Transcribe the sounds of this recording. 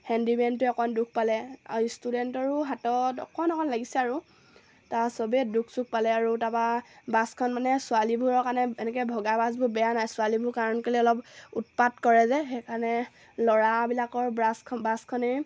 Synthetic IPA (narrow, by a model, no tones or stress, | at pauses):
hɛndibɛntuɛkɔnduk̚ʰpalɛa̰studɛntɔɹuɦatɔtɔ̰kɔnɔkʰɔnlaɡisɛaɹu | tasɔbdukʰsuk̚palɛaɹutababaskʰɔnmanɛsualibʱuɹɔɹkaɹnɛɛnɛk̬ɛbʱɔɡabasbʊbɛjanajsʊalibʱukaɹɔnkaliɔlɔput̚patkɔɹɛzɛxekaɹnɛ | lɔɹabilakɔɹbɹaskʰɔbaskʰɔnɛ